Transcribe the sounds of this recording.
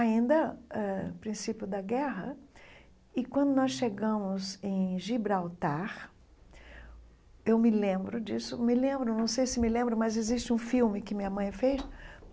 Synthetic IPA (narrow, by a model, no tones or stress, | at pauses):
aĩnd̪ɐɛpɾĩsipjʊd̪ɐɡɛɦɐ̰ | ɪkwɐ̃nd̪ʊnɔsʃeɡɐ̃mʊzẽj̃ʒibɾawt̪aɾ | ewmɪlẽmbɾʊd͡ʒisʊmɪlẽmbɾʊnɐ̃w̃sejsɪmɪlẽmbɾɐmɐzezist͡ʃɪũfiwmɪkɪmĩɲɐmɐ̃j̃fejs